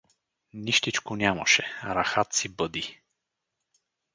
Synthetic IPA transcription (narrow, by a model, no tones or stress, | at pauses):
niʃt̪it͡ʃkonʲjamɐ̰ʃɛɾaxat̪sibɤd̪i